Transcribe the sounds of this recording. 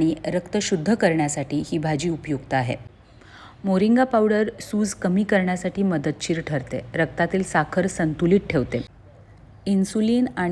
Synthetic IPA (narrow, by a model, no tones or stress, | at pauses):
ɽ̃iɾəkt̪əɕud̪ʱːəkəɾɳjasaʈiːhiːbʱad͡ʑiːupjuɡt̪əaɦḛ | moɾiŋɡapawɽəɾsuːd͡zkəmiːkəɾɳjasaʈiːməd̪ət̪̚t͡ɕiːɾʈʰəɾt̪ḛɾək̚t̪at̪iːlsakʰəɾsənt̪uliːʈ̚ʈʰeʋt̪e | insuliːna